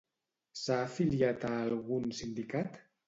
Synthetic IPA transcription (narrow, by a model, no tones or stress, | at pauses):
saːfiliat̪aːlɣunsind̪ikat̪